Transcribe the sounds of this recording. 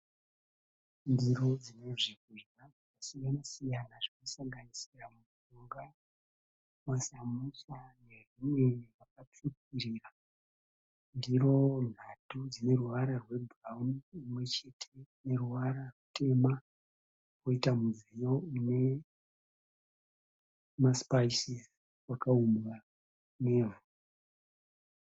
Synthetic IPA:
ndiɾo̞d͡zine̞ʐikuʐaakasiɡanasijanaʐinosaŋɡanisiramusuŋɡa | masamusane̞rimwe̞rakap͡fip̚iɾiːra | ndiɾo̞n̤atud͡zine̞ruʋaɾarwe̞brauniimwe̞t͡ʃe̞tʰe̞ne̞ruʋaɾarutʰe̞ma | ko̞itamuzijo̞une̞ | maspaisis | wakaumbwa | ne̞ːvu

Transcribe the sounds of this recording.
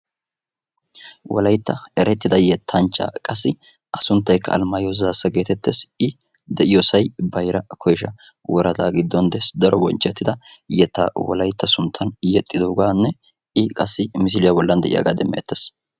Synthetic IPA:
wʔɔ̰lɐjt̪ːɐɛɾɛt̪ːɪd̪ɐjɛt̪ʰːɐnt͡ʃːa̰ːkʼɐsːɪ | ʔɐsʊnt̪ːɐjkːɐ̰ːlmɐjozaːsːɐɡe̞ːt̪ɛt̪ːeːsɪ | d̪ɛʔɪjɔsɐjbɐjɾɐkʰɔjʃɐ | wɔɾɐt̪aːɡɪd̪ːɔnd̪ɛsd̪ɐɾɔbɔ̰nt͡ʃːɛt̪ːɪd̪ɐjɛt̪ːa̰ːwɔ̰lɐjt̪ːɐsʊnt̪ʰːɐnjɛt̪ʼːɪd̪ɔʊɡaːnːɛ | ɪkʼɐsːɪmɪs̬ɪlɪjabɔlːɐnd̪ɛʔɪja̰ːɡa̰ːd̪ɛmːɛ̰jɛ̰t̪ːes

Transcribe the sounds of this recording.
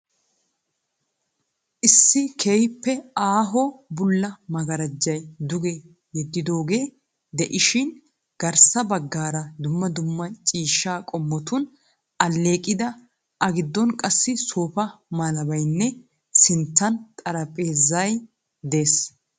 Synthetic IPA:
ʔɪsːɪkʰeːjpːɛaːɦɔbʊlːɐmɐɡɐɾɐd͡ʒːɐjd̪ʊɡe | jɛd̪ːɪd̪o̞ːɡe̞ː | d̪ɛʔɪʃɪn | ɡ̥ɐɾsɐbɐɡːaːɾɐd̪ʊmːɐd̪ʊmːɐt͡ʃʼiːʃːaːkʼɔmːɔt̪ʊn | ɐlːe̞ːkʼɪd̪ɐ | ʔɐɡɪd̪ːɔnkʼɐsːɪsoːpɐmaːlɐbɐjnːɛ | sɪnt̪ːɐnt̪ʼɐɾɐpʼe̞ːzɐj | d̪e̞ːs

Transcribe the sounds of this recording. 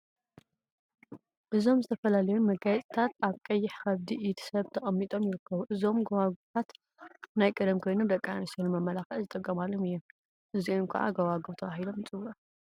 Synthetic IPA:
ʔɨzo̞mzɨt̪ʰɐfɐlalɐjunmɐɡajɛt̪ʼt̪ʰat̪aβkʼɐjːɪħxɐβd̪iʔit̪ʰi̥sɐβt̪ʰɐxʼɐmːit̪ʼo̞mjɪɾɨkʰːɐβuʔɨzo̞mɡɐwaɡut̪ʰat̪ | najkʼɐd̪ɐmkʰo̞jnomd̪ɐkʼːanisɐnːɨmɐmːɐlaxɐʔzɨt̪ʼɐkʼːɐmalːo̞mɨjːom | ʔɨziunkʰɐ̰ʕa̰ɡɐwaɡuβt̪ʰɐβaɦilo̞mɨt͡sʼɨwɐ

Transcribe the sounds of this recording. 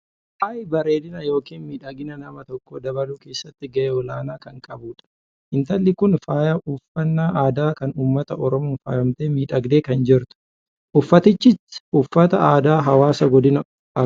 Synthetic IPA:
hɐjbɐɾeːd̪ɪnɐjo̞ːkiːnmiːᶑɐɡɪnɐnɐmɐt̪ɔkːoːd̪ɐbɐluːke̞ːsːɐt̪ːɪɡɐʔeɔlaːnaːkɐŋkʼɐbuːᶑɐ̥ | ʔɪnt̪ɐlːɪkʊnfaːjɐʊfːɐnːaːʔaːd̪aːkɐnuːmːɐt̪ɐʔɔɾɔmoːnfaːjɐmt̪eːmiːᶑɐɡd̪e̞ːkɐnd͡ʒɪɾt̪ʊ̥ | ʔʊfːɐt̪ɪt͡ʃːɪsʊfːɐt̪ɐaːd̪aːɦɐwaːsɐɡɔd̪ɪnɐ

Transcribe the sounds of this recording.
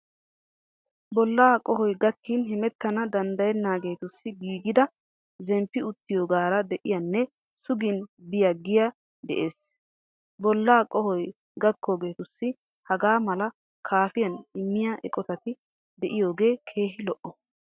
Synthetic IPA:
bɔlːaːkʼɔɦɔjɡɐkːinɦɪmɛt̪ːɐnɐd̪ɐnd̪ɐjɛnːaːɡe̞ːt̪ʊsːɪɡiːɡɪd̪ɐ | zɛmpːɪʊt̪ːɪjoːɡaːɾɐd̪ɛʔɪjɐnːɛ | sʊɡɪnbɪjɐɡɪja | d̪ɛ̰ʔe̞ːs | bɔlːaːkʼɔhɔj | ɡɐkːoːɡe̞ːt̪ʊsːɪ | hɐɡaːmɐlɐ | kʰaːfɪjɐnɪmːɪjɐʔɛkʼɔt̪ɐt̪ɪ | d̪ɛʔɪjoːɡe̞ːkʰe̞ːhɪlɔʔɔ

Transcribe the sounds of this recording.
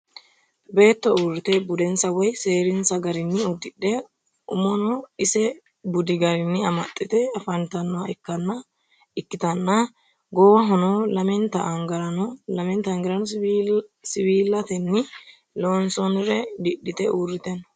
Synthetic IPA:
be̞ːt̪ːɔurːɪt̪ɛbʊd̪ɛnsɐwɔjse̞ːɾɪnsɐɡɐɾɪnːɪʊd̪ːɪɗɛ | ʊmɔnɔɪsɛ | bʊd̪ɪɡɐɾɪnːɪɐmɐt̪ʼːɪt̪ɛɐfɐnt̪ɐnːɔwɐɛkːɐnːɐ | ɪkːɪt̪ɐnːɐ | ɡɔwɐɦɔnɔlɐmɛnt̪ːɐʔːŋɡɐɾɐnɔlɐmɛnt̪ɐːŋɡɐɾɐnɔ | sɪwiːlːɐt̪ɛnːɪ | loːnsɔnɾɛd̪ɪɗːɪt̪ɛʔuːrːɪt̪ɛnɔ̥

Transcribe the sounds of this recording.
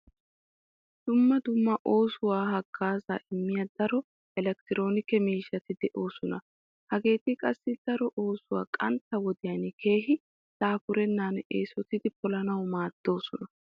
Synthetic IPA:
d̪̥ʊmːɐd̪ʊmːɐʔo̞ːsʊwaːɦɐɡ̥ːaːza̰ːʔɪmːɪjad̪ɐɾɔ | ɛlɛk̚t̪ɪɾo̞ːnɪkɛmiːʃːɐt̪ɪd̪ɛʔo̞ːsɔnɐ | hɐɡe̞ːt̪ɪkʼɐsːɪd̪̥ɐɾɔʔo̞ːsʊwa̰ːkʼɐnt̪ːɐwɔd̪ɪjɐnkʰe̞ːɦɪ | t̪aːfʊɾɛnːaːneːsɔt̪ɪd̪ɪpɔlɐnɐwmaːd̪̥ːo̞ːsɔnɐ

